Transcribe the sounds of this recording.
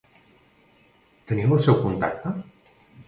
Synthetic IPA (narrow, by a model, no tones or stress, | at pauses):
t̪əniwesewkunt̪a̰k̚t̪a